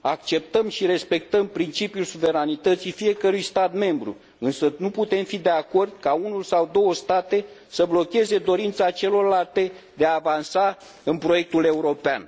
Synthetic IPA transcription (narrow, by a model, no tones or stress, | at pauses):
akt͡ʃe̞p̚t̪əmʃiɾe̞spe̞k̚t̪əmpɾint͡ʃipiulsuve̞ɾanit̪ət̪sifije̞kəɾujst̪at̪me̞mbɾṵ | ɨnsənuput̪e̞mfid̪e̞ako̞rd̪kaunulsawd̪o̞wəst̪at̪e̞ | səblo̞kʲe̞ze̞d̪o̞ɾint̪sat͡ʃe̞lo̞rlalt̪ed̪eaːvansa | ɨnpɾo̞je̞k̚t̪ule̞uɾo̞pean